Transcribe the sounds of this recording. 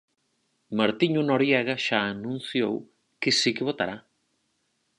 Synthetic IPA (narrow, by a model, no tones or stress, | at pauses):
maɾt̪iɲʊnoɾjɛɣɐʃaːnũn̟θjow | kɪsikɪβot̪aɾa